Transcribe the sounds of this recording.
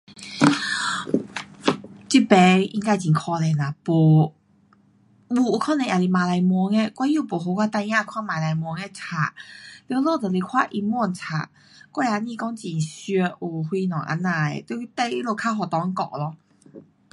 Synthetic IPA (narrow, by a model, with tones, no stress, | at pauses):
t͡ɕi˧˩pɛ˧˦ḭ˧˦ŋka˧˩˨t͡ɕĩ˨˩ŋkʰɔ˧lɛ˨˩na˨˩po˨˩ | bu˧u˧˩kʰɔ˥˨nɛ̃˧˨ʔa˨˩li˧˩mã˨˩la˧jmwɔ˧˦ŋɛ˧kwa˧˦nju˥˧˨po˨˩ɦo˧kwa˧˥˩t̪a˧jã˥˧˨kʰwa˥˨mã˨la˧jmwɔ˧˦ŋɛ˧˦t͡sʰa˨˩li˧˦lo˥˨t̪ə˨le˧˩kʰwa˥˧˨ʔi˧mwɔ˥˨nt͡sʰa̰˧˨˩ | kwɔ˥˩˨ja˧ɲĩ˥˧˨kɔ˦ŋt͡ɕi˨˩ɕø˧ʔu˨˩hwi˧nɔ̃˨ʔa̰˧˦nːa˧˩ḛ˨t̪we˧˦˧t̪ɛ˧˦i˧˦lo˧˩kʰa˧˥ɦɔ˨˩t̪ɔ˧˦ŋ˦kɔ̰˧˨ʔlɔ˧